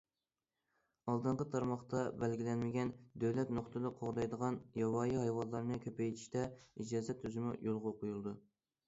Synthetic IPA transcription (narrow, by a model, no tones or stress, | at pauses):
ɑlˠd̪ɨɴqət̪ʰɑɾmɑχt̪ɑbɛlɡʲilɛnmɪɡʲɛnd̪øwlɛt̪noχt̪ʰɨd̪ɨqʰoʁd̪ɑjd̪əʁɑnjɑwɑːjihɑjwɑlˠːɑɾnɨkʲʰøpʰɛjt̪ʰi̥ʃt̪ɛid͡ʒɑːzɛt̪ʰːyzɪmujolˠʁɑqʊjulˠd̪u